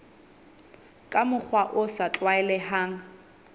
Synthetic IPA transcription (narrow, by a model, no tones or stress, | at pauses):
kʼamʊk͡xʰwaʔʊsat͡ɬʼwaɛlɛhaːŋ̩